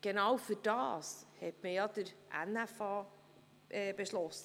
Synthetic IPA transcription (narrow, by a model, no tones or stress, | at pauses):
ɡ̥enawfyd̥ɑ̰ːshɛtməjɑdəɾʔæ̰næfɑː | ʔɛːb̥eʃlɔsə